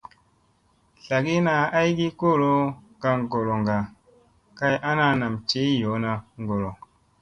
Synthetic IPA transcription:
ɬa˨ɡi˦na˧a˦jɡi˦ko˦˨lo˦ | ɡa˧ŋɡo˨ɾo˨ŋɡa˨ | ka˧jʔa˦na˧na˨mt͡ʃe˨˦jo˨˦na˧ŋ˨ɡo˨ɾo˨

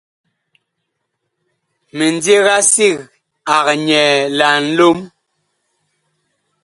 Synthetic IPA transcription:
me˨n˦dje˦ɣa˦si˦˨ɣ | a˨ɣɲɛ˨la˨n̩˦lo˦m

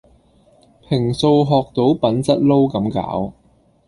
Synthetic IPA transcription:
pʰɪ˨˩ŋso˧wɦɔː˨k̚t̪o˨˥wpɐ˨˥nt͡sɐ˥t̚lo˥wkɐ˨˥mka̰ː˨˥w

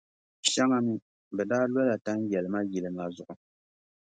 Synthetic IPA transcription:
ʃa˦ŋa˦nɨ˦ | bɛ˨daː˦lɔ˦la˨ta˦n˦jɛ˨lɨ˨ma˦ji˨lɨ˨ma˨zʊ˨ʔʊ˨

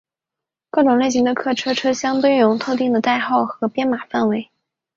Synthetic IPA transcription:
kɑ˥˩ʈ͡ʂʊ˨˩ŋle˥˩ɪɕ̬i˧˥ŋd̪ə˧kʰɤ˥˩ʈ͡ʂʰɤ˥ʈ͡ʂʰɤ˥ɕjɑ˥ŋt̪we˥ɪjʊ˧˥ŋt̪ʰo˥˧ʊt̪̬i˥˩ŋd̪ə˩t̪a˥˧ɪxɑ˥˩ʊxɤ˧˥pjɛ˥nma˨˩fa˥˩nwe˧˥ɪ

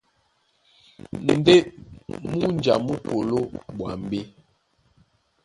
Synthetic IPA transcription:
n̩˨de˦mu˦nd͡ʒa̰˨mu˦po˨lo˦ɓwa̰˨m˨be˦

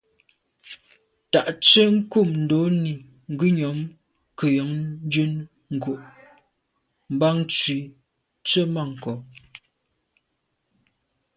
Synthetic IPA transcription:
ta˨ʔt͡sə˦ŋ̩˦ku˦˨mn̩˨do˨˦ni˨ | ŋ̩˨ɡʉ˦ɲɔ˨˦m | kə˨jɔ˨˦ŋ˦d͡ʒʉ˦n | ŋ̩˨ɡo˨ʔ | m̩˨ba˦ŋ˦t͡swi˨˦ | t͡sə˦ma˦˨ŋ̩˨kɔ˨˦

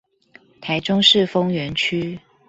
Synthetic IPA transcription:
t̪ʰa˧˥ɪʈ͡ʂʊ˥ŋʂɻ̩˥˨fɤ˥ŋɥɛ˧˥nt͡ɕʰy˥

